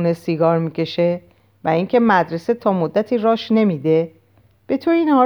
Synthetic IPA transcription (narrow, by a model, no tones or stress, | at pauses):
nesiɡɒːɾmiːcʰe̞ʃe̞ | væiŋcʰe̞mæd̪ɾe̞se̞t̪ʰɒːmod̪ːæt̪ʰiːɾɒːʃne̞miːd̪e̞ | b̥e̞t̪ʰoɾiːnhɒː